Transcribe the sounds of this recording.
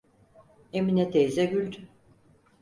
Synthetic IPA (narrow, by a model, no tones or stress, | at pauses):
eminɛt̪ʰejzɛɡylʲd̪ʰy